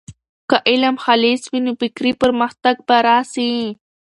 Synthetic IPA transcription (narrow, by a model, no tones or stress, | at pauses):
kaʔɪlamxaliswinobɪkɾipəɾməxt̪aɡ̚baɾasi